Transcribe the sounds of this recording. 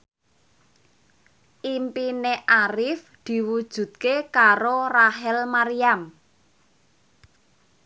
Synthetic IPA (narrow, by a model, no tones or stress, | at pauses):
ʔimpineʔaɾɪf | d̪̥i̤wud̥ʒ̥ṳt̪̚kekaɾoraɦɛlmaɾijam